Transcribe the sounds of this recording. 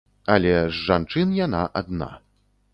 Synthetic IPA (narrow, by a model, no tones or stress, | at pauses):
ɐlʲɛzʐant͡ʂɨnjana̰ʔad̪na̰